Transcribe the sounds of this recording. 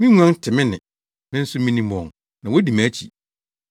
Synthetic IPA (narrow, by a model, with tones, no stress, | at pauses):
mĩ˦ŋ˦ã˦n˦tʰɪ˨mɪ̃˦nɪ̃˨ | mɪ̃˦n̩˦sʊ˦mĩ˦nĩ˦mɔ̃˨ŋ | nã˨wo˦di˨mæ˦t͡ɕʰi˨